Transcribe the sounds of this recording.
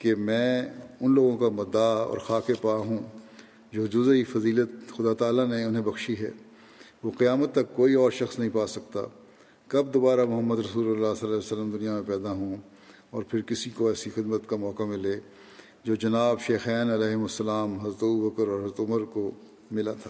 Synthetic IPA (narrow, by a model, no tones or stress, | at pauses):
kemɛ̃ːʊnloːɡõkamɐd̪aɔ̰ːɾxaːkepaɦũ | d͡ʒoːd͡ʒʊzifɐziːlət̪xʊd̪at̪aːlanẽʊnɦẽbɐxʃiɦɛ̰ː | ʋoːqijaːmət̪ːɐkːoːiɔːɾʃɐxsnɐɦĩpaːsɐkt̪a̰ː | kɐbd̪oːbaːɾamʊɦəmːəd̪ɾɐsuːləlːaːsɐlaːsəlːəmd̪ʊnijamẽpɛːd̪aɦũ | ɔːɾpʰɪɾkɪsikoɛːsixɪd̪mət̪kamɔːkamɪ̃leː | d͡ʒoːd͡ʒɐnaːbʃeːxɛːnɐlɛːɦmʊsːɐlaːmɦɐzɾət̪ɐbubəkəɾɔːɾɦɐzɾət̪ʊməɾko | mɪlat̪ʰaː